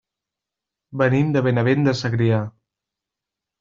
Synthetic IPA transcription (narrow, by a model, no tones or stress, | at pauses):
bənimd̪əβenəβend̪əsəɣɾia